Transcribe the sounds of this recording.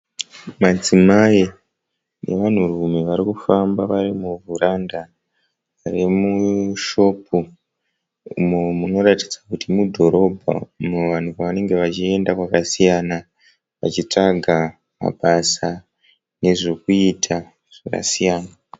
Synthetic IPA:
mad͡zimai | ne̞̰ʋan̤urume̞ʋaɾikufambaʋarimuvuɾanda | ʋarimuʃo̞ːp̚u | ṵmomuno̞ratid͡zakutimudʱo̞ɾo̞bʱa̰umuʋan̤ukaʋane̞ŋɡe̞ʋat͡ʃie̞ndakwakasijana | ʋa̰t͡ʃit͡ʂaɡʱa | ma̰ɓasa | ne̞ʐo̞kuitʰa | ʐ̥aka̰sijaːna

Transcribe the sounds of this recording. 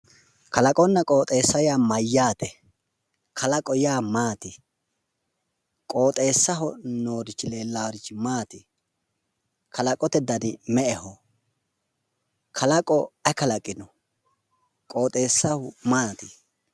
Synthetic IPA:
kɐlɐkʼɔnːɐkʼoːt̪ʼe̞ːsːɐjaːmɐjːaːt̪ɛ | kʰɐlɐkʼɔjaːmaːt̪ɪ | kʼoːt̪ʼe̞ːsːɐɦɔnoːɾɪt͡ʃːɪle̞ːlːaːɾɪt͡ʃːmaːt̪ɪ | kʰɐlɐkʼɔt̪ɛd̪ɐnɪmɛʔɛhɔ | kʰɐlɐkʼɔɐkɐlɐkʼːɪnɔ | kʼo̞ːt̪ʼe̞ːsːɐhʊmaːt̪ɪ

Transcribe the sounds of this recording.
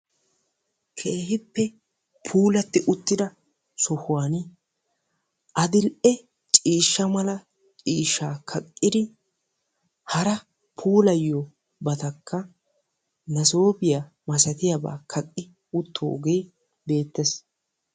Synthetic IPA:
kʰeːhɪpːɛ | pʰuːlɐt̪ːɪʔʊt̪ːɪd̪ɐ | sɔhʊwaːnɪ | ʔɐd̪ɪlʔɛ | t͡ʃʼiːʃːɐmɐlɐ | t͡ʃʼiːʃːaːkʰɐkʼːɪd̪ɪ | hɐɾɐ | pʰuːlɐjːo | bɐt̪ɐkːɐ | nɐso̞ːbɪja | mɐsɐt̪ɪjaba̰ːkʰɐkʼːɪ | ʊt̪ʰːoːɡeː | be̞ːt̪ːes

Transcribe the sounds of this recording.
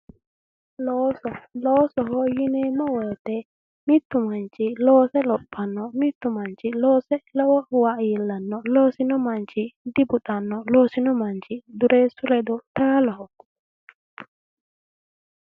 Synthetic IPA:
lɔsɔlɔsɔɦɔjinɛmawɔtɛ | mit̪ːumant͡ʃilɔːsɛlɔpʰːanːɔmit̪ːumant͡ʃilɔsɛlɔwawaʔjilːanːɔloːsinɔmant͡ʃidibuɗanːɔloːsinɔmaɲt͡ʃiduɾɛsuɾɛdɔtaːlahɔ

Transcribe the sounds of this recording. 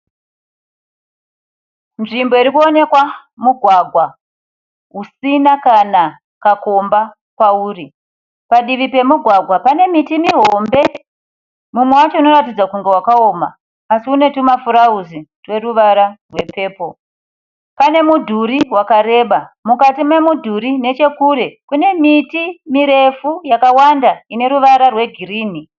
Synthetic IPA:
nʐimbo̞iɾikuo̞ne̞kwa | muɡʱwaɡʱwa | ɦusinakana | kako̞mba | kwauːri | paɗiʋipe̞muɡʱwaɡʱwapane̞mitimiɦo̞mbe̞ | mumwe̞wat͡ʃo̞ino̞ratid͡zakuŋɡe̞wakao̞ma̰ː | siune̞tumafuɾauzirwe̞ruʋaɾarwe̞pe̞ːpo̞ | pane̞mudʱuɾiwakaɾe̞ɓamukatime̞mudʱuɾine̞t͡ʃe̞kuɾe̞kune̞mitimiɾe̞fujakawandaine̞ɾuʋaɾarwe̞ɡʱiriːni

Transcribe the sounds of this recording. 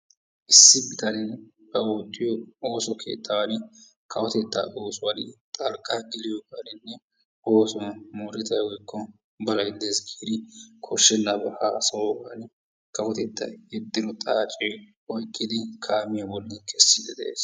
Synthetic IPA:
ʔɪsːɪbɪt̪ɐnɪ | bɐot̪ʼːɪjɔo̞ːsɔkʰḛːt̪ʰːɐwɐnɪ | kʰɐwɔt̪ɛt̪ːɐ̰ʔoːsʊwɐnɪ̰t̪ʼɐlkʼaɡɪlɪjɔɡɐnɪnːɛ | ʔoːsɔmoɾɪt̪ɐjwɔjkʰːɔ | bɐlɐɡɪd̪esɡeːd̪ɪkʰɔʃːɛnːɐbɛhaːsɐwɔɡan | kɐwɔt̪ɛt̪ːɐ̰jɛd̪ːɪɾɔt̪ʼaːt͡ʃʼe | ɔjkʼːɪd̪ɪkʰaːmɪjɐbɔlːɪkʰɛsːɪd̪ɛd̪ɛʔḛːs

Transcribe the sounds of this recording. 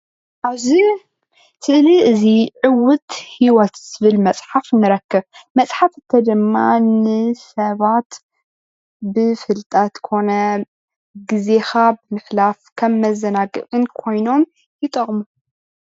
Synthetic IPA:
ʔaβzi | t̪ʰɨʔliɨziʕɨwʊt̪hiwɐt̪z̥ɨβɨlmɐt͡sʼħafnɨɾɐkːɐβmɐsʼħafɨt̪ʰːɐd̪ɨmːa̰nɨsɐβat̪ | bɨfɨlt̪ʼɐt̪kʰo̞nɐ | ɡɨze̞xabɨmɨħlafkʰɐmːɐzɐnaɡɨ̰ʔʼɨnkʰo̞jno̞m | jɪt̪ʼɐχʼmu

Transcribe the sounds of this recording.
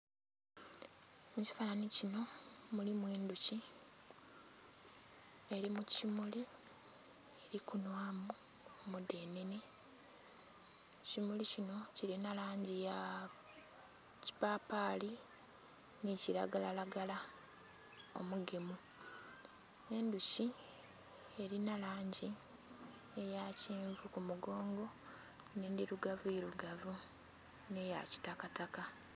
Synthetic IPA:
muci̥faːnanicino̞mulimweːnduci | e̞ɾimucimuli | e̞ɾikunwamu | mude̞ːnene | cimulicino̞ciɾinalaːɲɟija | ci̥papaːli | niciɾa̰ɡalalaɡala | o̞̰muɡemu | e̞nduci | e̞ɾinalaːɲɟi | e̞jaciːɱvukumuɡo̞ːŋɡo̞ | neːndiɾuɡavueɾuɡavu | ne̞ja̰ci̥takataka

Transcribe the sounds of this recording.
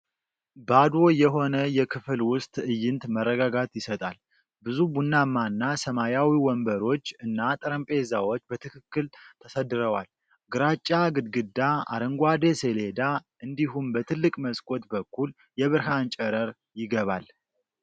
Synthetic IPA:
bad̪o̞jɛɦo̞nəjɛkʰɨfɨlwʊst̪ʼɨjːɪnt̪mərːəɡaɡat̪jɪsət̪ʼal | bɨzubunːamːanːasəmajawiwɔmbəɾo̞t͡ʃːɨnːat̪ʼɨɾəmpʼezawo̞t͡ʃːbət̪ʰɨkʰɨkːɨlt̪ʰəsəd̪ɨɾəwal | ɡɨɾat͡ʃʼːaɡɨd̪ɡɨd̪ːaa̰ɾəŋɡʷad̪esele̞d̪aʔɨnd̪iɦumbət̪ʰɨlːɨkʼməskʼo̞t̪bəkʰːul | jɛβɨɾɦant͡ʃʼəɾəɾ | jɪɡəβal

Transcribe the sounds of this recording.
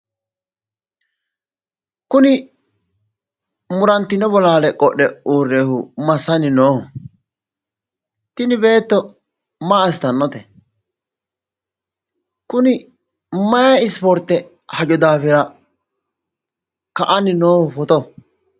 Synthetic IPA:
kʊnɪ | mʊɾɐnt̪ːɪnɛbɔlaːlɛkʼɔɗːɛuːrːeːhʊmɐsːɐnɪnoːhɔ | t̪ɪnɪbe̞ːt̪ːɔ | maɐst̪ɐnːɔt̪ɛ | kʊnɪ | mɐjɐɪspɔɾt̪ːɛ | hɐd͡ʒɔd̪aːfɪɾɐ | kɐʔɐnɪnoːhʊfɔt̪ɔ

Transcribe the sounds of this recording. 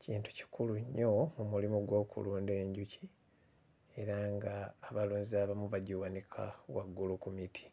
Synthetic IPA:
ciːntu̥ci̥kuluɲːomumulimuɡwo̞ːkṵluːnde̞ːɲɟuci | e̞ɾaŋɡaːβaluːnziaːβamuβaɟuwanikʰa̰waɡːulukumitʰi̥

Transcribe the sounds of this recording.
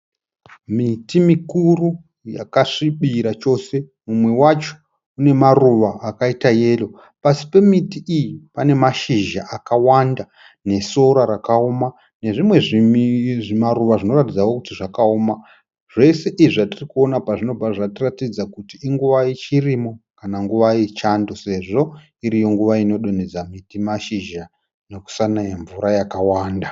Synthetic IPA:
mitimikuru | ja̰kaʂiɓiɾat͡ʃo̞ːse̞ | mumwe̞wat͡ʃo̥ | une̞maruʋaʔːkaitaje̞ːlo̞ | pasi̥pe̞mitiijipane̞maʃiʒa̰ʔakawanda | ne̞so̞ɾaɾakaoma | ne̞ʐimwe̞ʐiʐimaɾuʋaʐino̞ɾatid͡zawokutiʐakaoːma | ʐ̥e̞se̞ʔiʐatirikuo̞napaʐino̞b͡vaʐatiratid͡zakutiːŋɡuʋait͡ʃirimo̞kanaŋɡuʋait͡ʃando̞se̞ʐo̞ | iɾijo̞ŋɡuʋaino̞ɗo̞ned͡zamitimaʃiʒa | noku̥sanajaɱvuɾajakawaːnda

